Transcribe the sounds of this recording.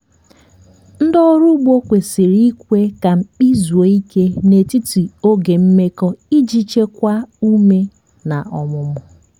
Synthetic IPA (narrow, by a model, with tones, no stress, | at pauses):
n̩˦dɔ˦ɾu˦ɡ͡bo˦kʷe˨si˨ɾi˦kʷe˦ka˨m̩˨k͡pi˦zu˨e˨i˦ke˦ne˨ti˦ti˨o˦ɡe˨m̩˦me˦kɔ˦i˦d͡ʒi˦t͡ʃe˦kʷa˦u˦me˦ | na˨ɔ˨mʊ˨mʊ˨